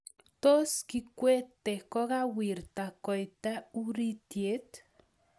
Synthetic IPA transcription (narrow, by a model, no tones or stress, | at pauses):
t̪oskikʷet̪ːekoɣawiɾt̪akojt̪auɾit̪jet̪